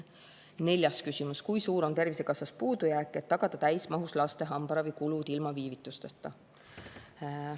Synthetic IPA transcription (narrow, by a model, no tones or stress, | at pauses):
ne̞lʲjɑskysʲimuskujsuːɾo̞nt̪e̞rvise̞kɑsɑspuːd̪̥ujæːkˑːe̞t̪ːɑɡ̥ɑd̪̥ɑt̪æjsmɑɦuslɑst̪e̞ɦɑmb̥ɑɾɑvɨjkulud̪̥ilmɑviːvit̪ːˑust̪ɑt̪ːˑɑ